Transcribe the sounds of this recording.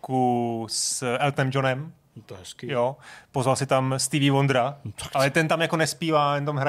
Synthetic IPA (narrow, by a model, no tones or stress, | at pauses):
kusʔɛlt̪nɛmd͡ʒonɛm | t̪ɦɛskijopozvalsɪt̪amst̪ivivond̪ɾaḁkalɛt̪ɛnt̪amjako̞nɛspiːvaːt̪ɛnt̪̬amɦɾa